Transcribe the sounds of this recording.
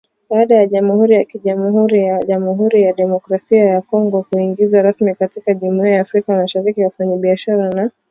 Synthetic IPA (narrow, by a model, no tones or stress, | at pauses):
ɓaːɗajaʄamuhuɾijakiʄamuɦuɾijaʄamuɦuɾijaɗɛmɔkɾasiajakɔŋɡɔkuiŋɡizaɾasmikatikaʄumiaaːfɾikamaʃaɾikiwafaɲaɓiaʃaɾana